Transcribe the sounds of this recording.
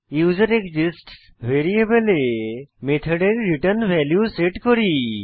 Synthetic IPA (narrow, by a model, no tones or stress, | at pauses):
juːzəɾekd͡ʒisʈs | ʋeɾiebelemet̪ʰəɖeɾːiʈəɾnʋʱɛljuseʈkɔɾi